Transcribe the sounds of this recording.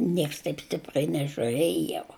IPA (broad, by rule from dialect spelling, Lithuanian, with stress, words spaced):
ˈnʲiɛks tɐɪp ˈsʲtʲɪprɐɪ nʲɛʒʲʊˈrʲeːj jɛʊ